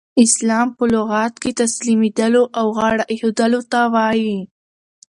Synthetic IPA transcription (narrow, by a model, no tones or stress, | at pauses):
ɪslɑmpəlʊɣɑt̪̚ket̪aslimed̪əloʔawɣɑɽaʔhod̪əlot̪awɑji